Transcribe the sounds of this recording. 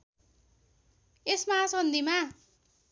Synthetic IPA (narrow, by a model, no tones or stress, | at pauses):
esmasʌnd̪ima